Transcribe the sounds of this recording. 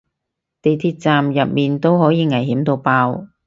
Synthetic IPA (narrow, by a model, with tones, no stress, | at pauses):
t̪e˨˩jt̪ʰiː˧t̚t͡saː˨mjɐ˨p̚miː˨nt̪o˥whɔː˨˥jiː˨˧ŋɐ˨˩jɦiː˨˥mt̪o˧wpaː˧w